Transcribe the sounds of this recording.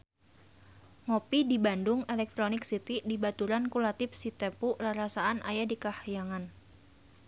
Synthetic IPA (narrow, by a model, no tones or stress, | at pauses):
ŋopidibandʊŋɛlɛk̚t̪ɾonɪksit̪idibat̪uɾankulat̪ɪfsit̪ɛpuʔlaɾasaanʔa̰jadikahjaŋan